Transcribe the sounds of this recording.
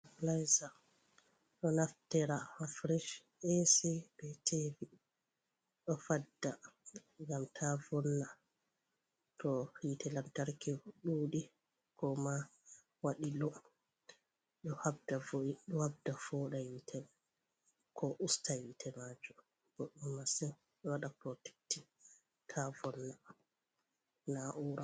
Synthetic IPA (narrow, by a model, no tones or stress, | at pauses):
lajza | ɗɔnaftɛɾahafɾiʃ | esɛb̥ɛtʰeːvi | ɗɔfadːaŋɡamtʰavɔnːa | tɔhitɛlamtaɾkɛɗuːɗi | kɔma | waɗilɔ | ɗɔhabdavɗɔhabdafɔɗajitʰɛ | kʰɔʔustawitʰɛmad͡ʒu | b̥ɔɗumasɛ | ɗɔwaɗapɾɔtɛ̥k̚ti | tʰavɔnːa | naʔuɾa